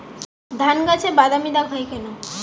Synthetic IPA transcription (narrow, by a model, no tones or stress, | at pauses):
d̪ʱanɡat͡ɕʰebad̪amid̪abʱajkeno